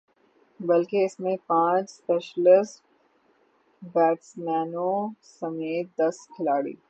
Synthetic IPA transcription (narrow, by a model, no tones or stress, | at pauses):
bɐlkeɪsmẽpãːt͡ʃspeːʃlɪsʈ | bɛːʈsmɛːnõsɐmeːt̪̚d̪ɐskʰɪlaːɽḭː